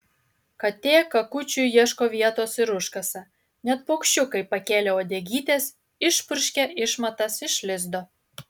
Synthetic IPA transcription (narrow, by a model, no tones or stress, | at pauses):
kɐt̪ʲeːkɐkut͡ʃʲujjiɛʃkoʋʲiɛt̪osɪɾuʃkɐsɑ | nʲɛt̪̚pokʃʲt͡ʃʲukɐɪpɐkʲeːlʲeoːd̪ʲeɡʲit̪ʲes | ɪʃpʊrʲʃʲkʲɛʔɪʃmɐt̪ɑsɪʃlʲɪzd̪o